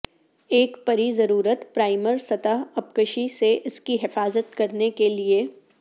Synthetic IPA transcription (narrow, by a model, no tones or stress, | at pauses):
eːkpɐɾizɐɾuːɾət̪pɾaːɪməɾsɐt̪əɦɐpkəʃiseʔɪskiɦɪfaːzət̪kɐɾnekelie